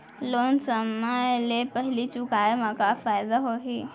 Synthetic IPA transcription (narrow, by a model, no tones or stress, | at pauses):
loːnsəmalepəɦɪlit͡ʃʊkaːemãkafaːjɪd̪aɦoɦi